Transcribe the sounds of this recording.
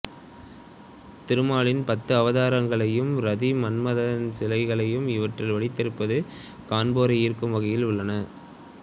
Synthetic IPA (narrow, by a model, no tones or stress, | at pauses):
t̪ɪɾɯmaːɭɪnpɐt̪ːɯɐʋɐðaːɾɐŋɡɐɭɐjɯmɾɐðimɐnmɐðɐnsɪlɐɪɣɐɭɐjɯmɪʋɐʈrɪlʋɐɭɪt̪ːɐɾɯpːɐðɯ | kaːnboːɾɐɪiːɾkːɯmʋɐɣɐjɪlʊɭːɐnɐ